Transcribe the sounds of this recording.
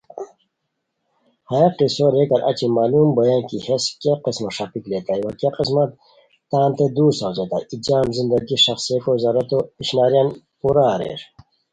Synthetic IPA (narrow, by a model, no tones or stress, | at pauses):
haqisoɾekɐɾʔa̰t͡ɕimaːlumbɐjankiheskeqismaʂapiklet̪ajwakjaqis̬mɐt̪ː | aːnt̪ed̪uːsawd͡ʑet̪a̰jid͡ʑaːmzind̪ɐɡiʂɐxsiekozaːɾɐt̪oiɕnaːɾjan | puɾaɾḛʂ